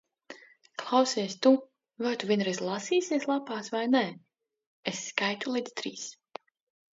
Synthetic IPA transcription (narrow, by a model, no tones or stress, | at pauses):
klˠawsiːst̪u | vaɾt̪uviɛnɾɛzʲlˠasiːsiɛslˠapaːsvajnɛ | esːkajt̪ulˠid̪z̥t̪ɾiːs